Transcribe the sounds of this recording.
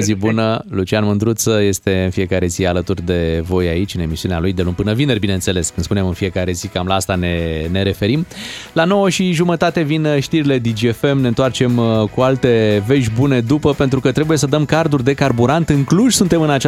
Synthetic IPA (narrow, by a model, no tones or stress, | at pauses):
zibunəlut͡ʃianmɨnd̪ɾut̪səje̞st̪e̞ɨnfije̞kaɾe̞zialət̪urd̪e̞vo̞ja̰it͡ʃʲɨne̞misiunealujd̪e̞lumpɨnəvine̞rʲbinense̞le̞skɨnd̪spunemɨnfije̞kaɾe̞zikamlaast̪ane̞ne̞ɾe̞fe̞ɾimlano̞wəʃiʒumət̪at̪e̞vinʃt̪iɾile̞d̪ind͡ʒiefe̞mne̞ɨnt̪oart͡ʃe̞mkualt̪e̞ve̞ʒʲbune̞d̪upəpe̞nt̪ɾukət̪ɾe̞buje̞səd̪əmkard̪urʲd̪e̞karbuɾant̪ɨŋkluʃsunt̪e̞mɨnat͡ʃ